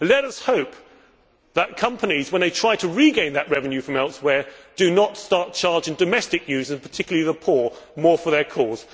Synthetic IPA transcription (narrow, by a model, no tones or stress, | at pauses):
lɛɾʌshoʊp | ðət̚kʰʌ̃mpənizwə̃nðeɪtʰɹ̥aɪɾəɹiɡẽɪ̃nðɨʔɹɛvɨ̃njʉfɹʌ̃mɛlˠtswə˞d̥ɨnətstɑɹt̚t͡ʃʰɑɹd͡ʒɨ̃ndɨmɛstɨkʰjʉzɨ̃npʰə˞tʰɪkjl̩ˠəlˠiðəpʰɔɹmɔɹfə˞ðə˞kʰɔz̥